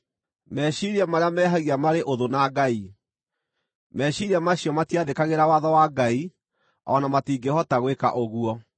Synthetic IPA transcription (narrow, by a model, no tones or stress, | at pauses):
mɛɕiɾiamaɾeamɛɦaɣiamaɾeʔoðonaɡai | mɛɕiɾiamaɕiɔmatiaðekaɣeɾawaðɔwaɡai | ɔ̰namatiːɡehɔtaɣweka̰ʔoɣuɔ